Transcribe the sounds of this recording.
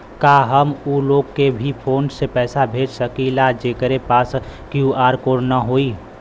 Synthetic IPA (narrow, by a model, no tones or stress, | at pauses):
kaːɦəmuloːɡkebʱipʰoːnsepɛːsabʱeːd͡ʒsəkilad͡ʒeːkəɾepaːskjuaːɾkoːɾnaɦoːiː